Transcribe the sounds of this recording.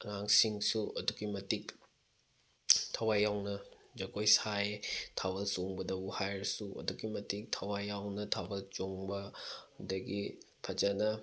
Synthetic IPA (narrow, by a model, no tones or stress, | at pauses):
ɐŋaŋsiŋsuʔɐduɡimɐtik̚ | tʰɐwajawnɐd͡ʒɐkojsajtʰabɐlt͡ʃoŋbɐdɐbuhajɾsuʔɐ̰duɡimɐtik̚tʰɐwajawnɐtʰabɐlt͡ʃoŋbɐhudɐɡi | pʰɐd͡ʒɐnɐ